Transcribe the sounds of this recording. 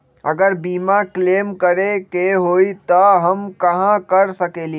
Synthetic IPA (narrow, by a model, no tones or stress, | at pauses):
ə̰ɡəɾbiːmakleːmkəɾekeɦoːit̪əɦəmkəɦãkəɾsəkeːli